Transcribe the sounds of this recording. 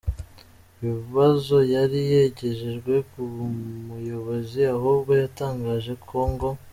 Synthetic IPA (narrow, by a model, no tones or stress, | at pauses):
βiβiβazo̞jaɾije̞ɟe̞ʒe̞ʒɡwe̞kumujo̞βo̞ziahuβɡo̞jataːŋɡaːʒe̞kʰo̞ːŋɡo̞